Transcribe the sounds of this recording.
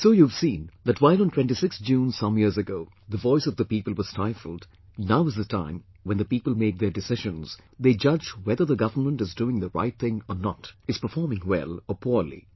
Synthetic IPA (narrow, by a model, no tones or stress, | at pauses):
soʊjuv̥sĩnðɨtwaɪlˠə̃n̩tʰw̥ɛ̃ntisɪksd͡ʒũːnsʌ̃mjiɹzɨɡoʊ | ðəvɔɪsʌvðəpiːpəl̩ˠwʌz̥staɪfəl̩ˠd | naʊɨzðətʰã̰ɪ̃m | wɛ̃nd̪ðəpiːpəl̩ˠmeɪk̚ðə˞dɨsɪʒə̃nz̥ðeɪd͡ʒʌd͡ʒwɛðə˞ðəɡʌvənmə̃ntɨzduɪ̃ŋðəɹa̰ɪt̚θɪ̃ŋənətɨz̥pə˞fɔɹmɪ̃ŋwɛ̰lˠəpʰɔɹlḭ